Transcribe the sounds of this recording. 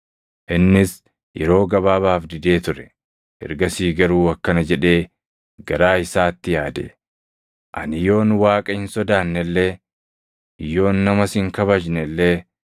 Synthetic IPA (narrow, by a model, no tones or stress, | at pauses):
ʔɪnːɪs | jʔɛ̰ɾo̞ːɡɐβaːbaːfd̪ɪd̪e̞ːt̪ʊɾɛ̥ | ʔɛ̰ɾɡɐsiːɡɐɾuːɐkːɐnɐd͡ʒɛᶑe̞ː | ɡɐɾaːɪsaːt̪ːɪjaːd̪ḛ | ʔɐ̰nɪjo̞ːnwaːkʼɐɪnsɔd̪aːnːɛlːeː | jo̞ːnːɐmɐsɪŋkɐβɐd͡ʒnɛlːeː